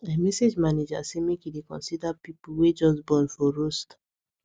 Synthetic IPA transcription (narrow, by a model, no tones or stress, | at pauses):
amɛsed͡ʒmaned͡ʒa̰semekidekɔ̰̃nsidapipuwed͡ʒɔsbɔ̃nfɔɹost